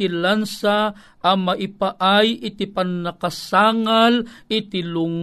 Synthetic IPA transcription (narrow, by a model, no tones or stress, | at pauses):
ilansa | ʔamaʔipaʔajit̪ipanːakasaŋalit̪iluŋ